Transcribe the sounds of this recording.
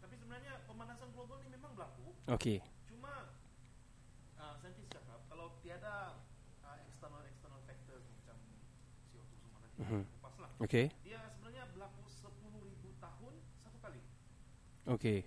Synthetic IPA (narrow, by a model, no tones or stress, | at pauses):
t̪apisəbənarɲapəmanasanklɔɡɔnimemaŋbəlakuoke | t͡ʃuma | əmsajamt̪ist͡ʃakap̚kalawt̪iada | əɛkst̪ərnəlɛkst̪ənəlfɛk̚t̪əsdimat͡ʃam | siɔt̪usumanam̩mm̩kəpaslahokediasəbənarɲabəlakusəpuluhɾibut̪aɦʊnsat̪ukali | ʔoke